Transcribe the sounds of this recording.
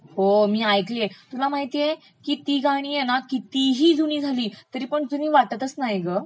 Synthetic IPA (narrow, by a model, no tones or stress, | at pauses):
homiːajklet̪ulamaɦit̪ije | kit̪iːɡaɽ̃iːjenakit̪iɦiːd͡zuniːd͡zʱaliːt̪əɾiːpəɳd͡zuniːʋaʈət̪əsnaeɡə